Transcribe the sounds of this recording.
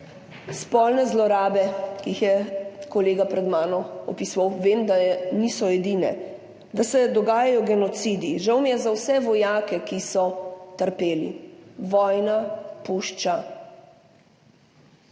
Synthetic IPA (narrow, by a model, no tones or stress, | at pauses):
spɔlnɛzlɔɾaːbɛkiixjɛkɔleːɡapɾɛd̪maːnɔɔpisʋawʋeːmd̪anisɔɛd̪inɛ̰ | d̪asɛd̪ɔɡaːjajɔɡɛnɔt̪sid̪iʒawmijɛzawsɛʋɔjaːkɛkisɔt̪əɾpeːlḭʋɔjnapuʃt͡ʃa